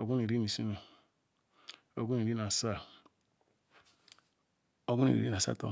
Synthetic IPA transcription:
o˨ɡu˦ni˨ɾi˦ni˨si˦no˨ | o˨ɡu˦ni˨ɾi˦na˨sa˦˨ | o˦ɡu˦nḭ˨ɾḭ˨˦i˦a˨sa̰˦to̰˦

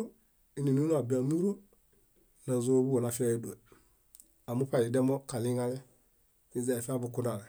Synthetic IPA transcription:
o˦ | i˦ni˨nu˦a˨ba˨nu˦ɾo˦ | na˨zo˦bu˦wo˨na˨fa˦e˦do˨e˨ | a˨mu˦pa˦˨i˨de˦mo˦ka˨li˦ŋa˦le˦ | i˦ze˨fi˦a˦bu˨ku˦nda˨le˨

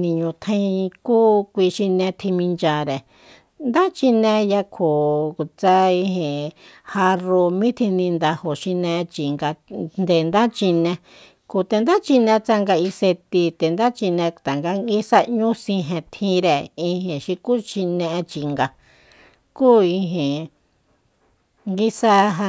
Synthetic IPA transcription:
nĩ˧ɲũ˧t̪ʰã˦˧ĩ˧kuː˦kʷi˧ʃi˧nẽ˧t̪ʰĩ˧mĩ˧nt͡ʃa˧ɾe˨ | nd̪a˦t͡ʃi˧nẽ˧ja˧kʰo˨t͡sa˧i˧ɦẽ˨ha˧ro˧mĩ˦t̪ʰĩ˧nĩ˧nd̪a˧ho˨ʃi˧nẽ˧t͡ʃi˨ŋɡa˧nd̪e˨nd̪a˦t͡ʃi˧nẽ˧ | ku˨t̪e˧nd̪a˦t͡ʃi˧nẽ˧t͡sa˧ŋɡa˧i˧se˧t̪i˧t̪e˨nd̪a˦t͡ʃi˧nẽ˧t̪a˨ŋɡa˧˦ŋɡi˦sa˧ɲũ˦sĩ˧ɦẽ˧t̪ʰĩ˧ɾe˨i˧hẽ˨ʃi˧ku˦ʃi˧nẽ˧ʔẽ˧t͡ʃi˧ŋɡa˧ | kuː˦i˧ɦẽ˨ | ŋɡi˦sa˦ɦa˧

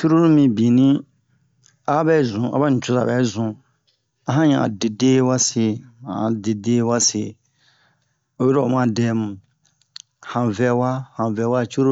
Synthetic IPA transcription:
t͡ʃu˦ɾo˦ɾu˦mĩ˨bĩ˨nĩ˦ | a˦bɛ˦˨zũ˨a̰˨ba˦n̩˨t͡ʃu˨za̰˨ɛ˨˦zũ˨ | a˨ɦã˦ɲã˨a̰˨de˨deː˦wa˦se˨a˨de˨deː˦wa˦se˨ | o˨ji˦ɾɔ˨o˨mã˦dɛː˦mũ˨ | hã˨vɛ˦wa˦hã˨vɛ˨˦wa˦˨t͡ʃu˦ɾo˦

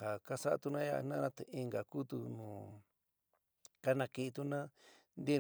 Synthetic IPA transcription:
a˨ka˦sa˦ʔa̰˧t̪u˧nã˦ja̰˧nã˦ã˦t̪e˧i˧ŋɡa˨ku˦t̪u˧nũː˨ | ka˦nã˧ki˧t̪u˧˦nã˦nd̪i˦

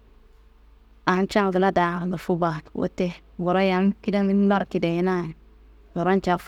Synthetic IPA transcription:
a˨n˦t͡ʃa˦ŋ˨di˨la˦da˨kɡa˨fu˦ba˨wo̰˦te˦ | wo˨ɾa˦ja˨˦nki˦da˦i˦la˦ɾki˨de˨ji˦na˦˨n˨ | wo˨ɾa˦n˦t͡ʃa˦f

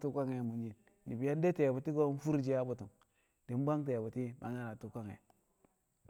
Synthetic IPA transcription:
tu˦kʷa˦ŋe˨mu˨nd͡ʒi˨n | ni˨bi˨ja˦n˦de˦te˨bu˨ti˦ɡo˦n˦fu˦ɾd͡ʒi˦ja˦bu˨tu˨ŋ | d̥i˨m˦ba˦ŋt̬e˨bu˨ti˦ma̰˨ŋa˦ɾa˨tu˦kʷa˦ŋḛ˨

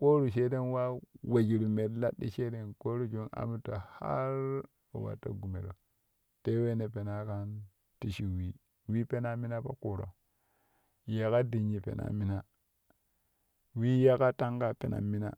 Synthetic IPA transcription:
ko˦ɾu˨ʃe˦de˦nwa˦we˨d͡ʒi˨ɾu˨me˨dla˦ɗḭ˦ʃe˦de˦nko˦ɾu˦d͡ʒo˦na̰˦mu˦ta˨ha̰˦ɾ | o̰˨wa̰˨tːa̰˦ɡu˨mḛ˨ɾo˨ | te˦we˦ne˨pe˨na˨ka˦n | ti˦ʃi˨wi˦ | wi˦pe˦na˦mi˦na˦pa̰˦ku˨ɾo̰˨ | ja˨ka˦di˨ɲi˨pḛ˨na̰˦mi˦na˦ | wi˦ja˦ka˦ta˦ŋɡa˦pḛ˨na̰˨mi˦na̰˦

